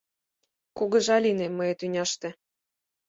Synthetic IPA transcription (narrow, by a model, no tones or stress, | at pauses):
kuɣɤ̆ʒɑlʲinemɤjĕt̪ynʲɑʃt̪ĕ